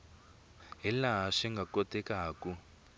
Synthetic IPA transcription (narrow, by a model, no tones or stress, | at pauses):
ɦilaɦaʂɛŋɡakɔtʼɛkaːku